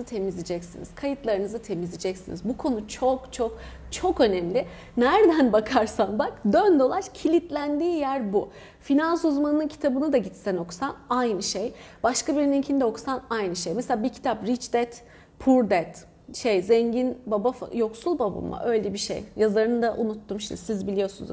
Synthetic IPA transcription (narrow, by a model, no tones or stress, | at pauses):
t̪ʰe̞mizlʲid͡ʒɛcsḭnḭz̥kʰajɯt̪lˠaɾɯnɯzɯt̪ʰe̞mizʲid͡ʒɛcsḭnizbukʰo̞nut͡ʃʰo̞kt͡ʃʰo̞k | t͡ʃʰo̞kø̞nɛmlʲɪ | næɾd̪ænbakʰaɾsanbakd̪ønd̪o̞lˠaɾcʰilʲit̪lʲænd̪iːjæɾbu | finansuzmanɯnɯncʰi̥t̪ʰabɯnɯd̪aɟit̪sæno̞ksanajnɯʃejb̥aʃkabiɾnicʰind̪oksanajnɯʃejmeselʲaːbicʰi̥t̪ʰapɾit͡ʃd̪ɛt̪ | pʰuɾd̪ɛt̪ | ʃejzɛɲɟinbabafjo̞ksulˠbaba̰ma̰ʔø̞jlʲɛbiʃḛjjazaɾɯnɯd̪aʔunut̪ʰːumʃimd̪isizbilʲijo̞sun̰z